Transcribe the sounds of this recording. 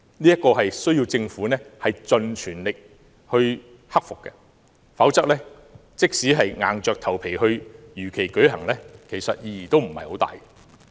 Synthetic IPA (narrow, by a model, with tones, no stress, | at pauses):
niː˥jɐ˥kːɔː˧ɦɐ˨jsɵ˥ɥjiː˧wt͡sɪ˧ŋfuː˨˥nɛː˥hɐ˨jt͡sɵ˨˧nt͡ʃʰyː˨˩nlɪ˨k̚ | hɵ˧ɥ | hɐ˥k̚fʊ˨kːɛ̰˧ | fɐ˨˥wt͡sɐ˥k̚lɛː˥ | t͡sɪ˥k̚siː˨˥ɦɐ˨jŋa̰ː˨nt͡ʃœː˨k̚t̪ʰɐ˨˩wpʰe˨˩jhɵ˧ɥjyː˨˩kʰe˨˩jkɵ˨˥ɥɦɐ˨˩ŋlɛː˥kʰe˨˩jsɐ˨t̚jiː˧jiː˨˩t̪o˥wm̩˨˩hɐ˨jho˨˥wt̪a̰ː˨j